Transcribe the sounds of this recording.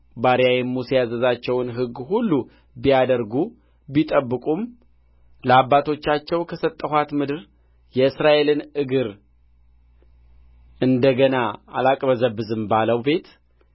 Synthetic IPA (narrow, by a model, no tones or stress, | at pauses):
baɾijajɛmːusejazəzat͡ʃːɛwnɦɨɡːhulːu | bijad̪əɾɡu | bit̪ʼəbːɨkʼum | ləabːat̪ʰo̞t͡ʃːat͡ʃːɛwkʰəsət̪ʼːəhat̪mɨd̪ɨɾ | jɛɨsɾaʔe̞lɨnɨɡɨɾ | ɨnd̪əɡənaa̰lakʼbəzəbɨzɨmbaləwbe̞t̪